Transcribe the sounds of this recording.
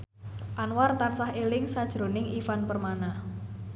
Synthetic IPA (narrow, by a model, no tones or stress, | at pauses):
ʔanwart̪ansahelɪŋsad̥ʒ̥ɾo̤nɪŋifanpərmana